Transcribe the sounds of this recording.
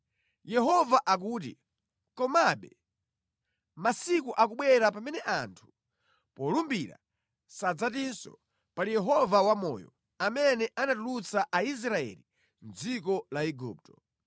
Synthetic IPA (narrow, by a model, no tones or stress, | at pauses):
jɛɦɔvaʔak̬uːt̬ḭ | kɔmaɓɛ | masikuʔakuɓwɛɾap̬amɛnɛʔantʰu̥ | pɔlumbiɾa̰ | sad͡zatinsɔ̰ | palijɛɦɔvawamɔ̰ːjɔ̰ | amɛnɛʔanatulut͡saʔais̬ɾaɛ̰li | n̩d͡zik̬ɔlaiɡup̚tɔ̥